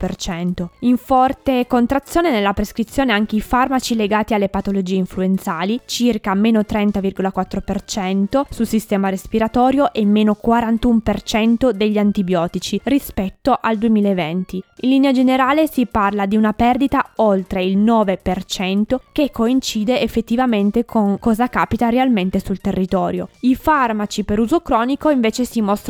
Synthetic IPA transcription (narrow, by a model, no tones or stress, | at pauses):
pert͡ʃɛnt̪oiɱfɔrt̪ekont̪ɾat̪sːjoːnenelːapɾeskɾit̪sːjoːneaŋk̟eifarmat͡ʃileɡaːt̪ialːepat̪olod͡ʒiːeiɱfluent̪saːlit͡ʃirkameːnot̪ɾɛnt̪avirɡolakwat̪ːɾopert͡ʃɛnt̪osulsist̪ɛːmaɾespiɾat̪ɔːɾjoʔemːeːnokwaɾant̪umpert͡ʃɛnt̪od̪eʎːant̪ibjɔːt̪it͡ʃirispɛt̪ːoʔald̪uemiːlaevɛnt̪iinliːnead͡ʒeneɾaːlesiparlad̪iunapɛrd̪it̪aolt̪ɾeilnɔːvepert͡ʃɛnt̪ok̟ekːoint͡ʃiːd̪eːfːet̪ːivament̪ekʰoŋkɔːzakaːpit̪aɾealment̪esult̪erːit̪ɔːɾjo̰ifarmat͡ʃipeɾuːzokɾɔːnikoiɱveːt͡ʃesimɔst̪